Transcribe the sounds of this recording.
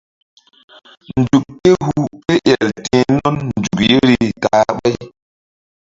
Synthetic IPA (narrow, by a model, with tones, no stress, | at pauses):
n˨d͡ʒu˨kːe˦hu˦˨pe˦ʔɛ˨ltẽ˨nɔ˦nn˨d͡ʒu˨kje˦ɾi˦taː˨˦ɓa˦j